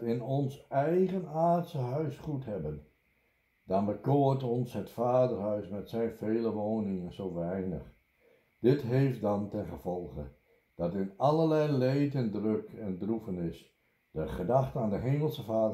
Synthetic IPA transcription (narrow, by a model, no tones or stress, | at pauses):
ɪnɔnsɛjχənaːtsəɦœɥsχutɦɛbən | dɑnbəkoːtɔnsɦətfaːdərɦœɥsmɛtsɛjnv̥eːləʋoːnɪŋənzowʋɛjnəχ | d̥ɪtɦejft̚dɑntɛnχəv̥ɔlˠχə̰ | d̥ɑtɪnɑləlɛjlejtəndrøkɛndrufənɪs | d̥əχədɑχtənaːndəɦejməl̩ˠsəvaːd